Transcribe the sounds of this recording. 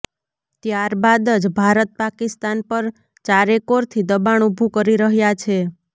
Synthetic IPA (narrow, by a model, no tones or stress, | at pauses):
t̪jaɾbad̪əd͡ʒbʱaɾət̪̚pakist̪anpəɾ | t͡ʃaɾekoɾt̪ʰid̪əbaɳubʱukəɾiɾəɦjat͡ʃʰe